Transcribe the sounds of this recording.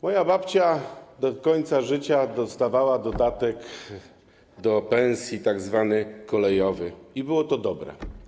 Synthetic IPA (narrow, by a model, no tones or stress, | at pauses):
mɔjabapt͡ɕad̪ɔkɔɲt̪saʐɘt͡ɕad̪ɔst̪avawad̪ɔd̪at̪ɛk | d̪ɔpɛ̃w̃sʲjit̪aɡzvanɘkɔlɛjɔvɘibɘwɔt̪ɔd̪ɔbɾɛ̰